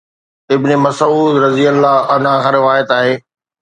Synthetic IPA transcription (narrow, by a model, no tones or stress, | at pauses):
ɪbnɪmɐsuːd̪ɾɐzijəlːaɐnãkʰãːɾɪʋaːjət̪aːɦeː